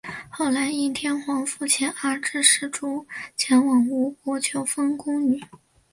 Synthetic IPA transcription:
xo˥˩ʊla˧˥ɪi˥˩nt̪ʰjɛ˥nxwɑ˧˥ŋfu˥˩t͡ɕʰjɛ˧˥nə˞˥˧˥ʈ͡ʂɻ̩˥˧ʂɻ̩˥˩ʈ͡ʂu˥t͡ɕʰjɛ˧˥nwɑ˨˩ŋu˧˥kwɔ˧˥t͡ɕʰjo˧˥ʊfɤ˥ŋkʊ˥ŋy˨˩˦

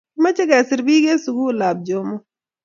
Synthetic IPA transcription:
mɐ˦t͡ʃɐ˦ɡaː˨sɪ˨ɾbiː˦ɡe˦suɡu˦laː˨b̚d͡ʒoː˨mo˦

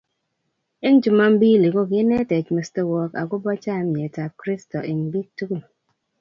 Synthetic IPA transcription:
e˦n̩˦d͡ʒu˦ma˦m̩˦biː˦˨li˨ɡo˦˨ki˦ne˦te˨t͡ʃme˨ste˦wɔ˦ka̰˨ku˦bɔ˦t͡ʃa˦˨˦mje˨ta˨p̚kɾi˦sto˨i˨m̩˨bi˦k̚tu˦ɡu˦n

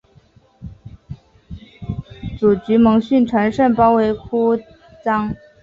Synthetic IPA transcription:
t͡su˨˩t͡ɕy˧˥mɤ˧˥ŋɕy˥˩nʈ͡ʂʰwa˧˥nʂə˥˩npɑ˥ʊwe˧˥ɪkʰu˥ | t͡sɑ˥ŋ

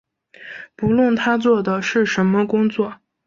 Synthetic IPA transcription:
pu˧˥lwə˥˩nt̪ʰa˥t͡swɔ˥˩d̪ə˩ʂɻ̩˥˩ʂə˧˥nmə˧kʊ˥ŋt͡swɔ˥˩

